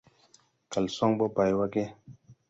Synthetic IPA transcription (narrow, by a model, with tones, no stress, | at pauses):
ka˨lsɔ˦ŋɓɔ˦pa˨jwa˦ke˦